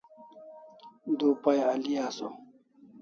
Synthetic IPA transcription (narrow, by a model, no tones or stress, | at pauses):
d̪upajalijaːso